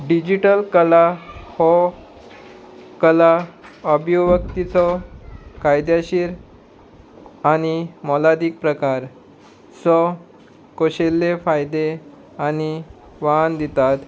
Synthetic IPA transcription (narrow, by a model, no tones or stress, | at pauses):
ɖid͡ʑiʈəlkəlahɔ | kəlaəbjoʋəkt̪it͡sɔ | kajd̪jaɕiːɾ | aɽ̃imɔlad̪iːk̚pɾəkaɾ | sɔ | koɕelːefajd̪e | añi | ʋand̪it̪at̪